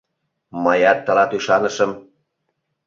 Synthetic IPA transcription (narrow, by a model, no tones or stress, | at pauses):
mɑjɑt̪ːə̆lɑt̪yʃɑnəʃə̆m